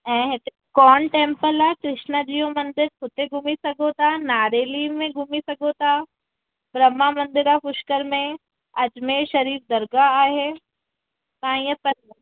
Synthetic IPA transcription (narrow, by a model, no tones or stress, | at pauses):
ɛ̃ːɦẽt̪e | kɔːnʈẽːmpəlaːkɾɪʃnad͡ʒiːomɐnd̪ɪɾkʰʊt̪eɡʱumisɐɡoːt̪anaːɾeːlimẽɡʱumisɐɡoːt̪aː | bɾɐmːamɐ̃nd̪ɪɾapʊʃkəɾmẽ | ɐd͡ʒmẽʃɐɾiːf̚d̪ɐɾɡaaːɦe | kãːjəpɐɾ